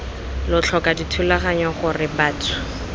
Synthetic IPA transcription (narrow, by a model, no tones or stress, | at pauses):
lʊt͡ɬʰɔkʼaditʰulaχaɲɔχʊrɪbaːtʰʊ̥